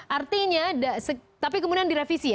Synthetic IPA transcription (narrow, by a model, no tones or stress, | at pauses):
ʔart̪iɲadasət̪ap̬ikəmudiandiɾafisi